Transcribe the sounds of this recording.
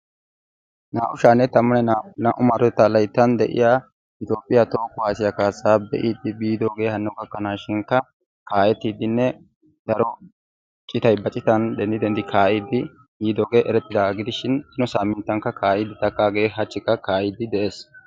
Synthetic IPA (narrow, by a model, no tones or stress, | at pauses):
naːʔʊʃaːnːɛt̪ɐmːɔnɛnaʔʊmɐɾɔt̪ːalɐjt̪ːɐnd̪ɛʔɪ̰jaː | ʔɪt̪jo̞ːpʼːɪjat̪o̞ːkːʊwaːsɪjɐkaːsːaːbɛ̰ʔiːd̪ːɪbiːd̪o̞ːɡe̞ːhɐnːɔɡɐkːɐnaːʃɪŋkːɐ | kaːjɛt̪ːiːd̪ːɪnːɛ | d̪̥ɐɾɔ | t͡ʃʼɪt̪ɐjbɐt͡ʃʼɪt̪ɐnd̪ɛnd̪ɪd̪ɛnd̪ɪkʰaːʔid̪ːɪ | biːd̪o̞ːɡe̞ːʔɛɾɛt̪ːɪd̪aːɡɪd̪ɪʃɪnɪnɔsaːmːɪnt̪ːɐŋkːɐkʰaːʔɪd̪ːɪt̪ɐkːaːɡe̞ːɦɐt͡ʃːɪkːɐkaːʔɪd̪ːɪd̪ɛʔe̞ːs